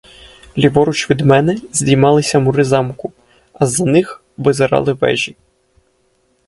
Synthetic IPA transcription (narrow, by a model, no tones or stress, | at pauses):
lʲiʋɔɾʊt͡ʃʋʲid̪mɛnɛzʲdʲijmɑlˠɪsʲɐmʊɾɪzɑmkʊ | ɐzɐnɪx | ʋɪzeɾɑ̰lˠɪʋɛ̰ʒʲi